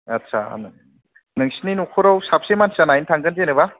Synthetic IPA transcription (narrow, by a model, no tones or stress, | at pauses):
atːsʰa̰n | nɯŋsininokʰɯɾawsap̚semansanajntʰaŋɡɯnzenɯba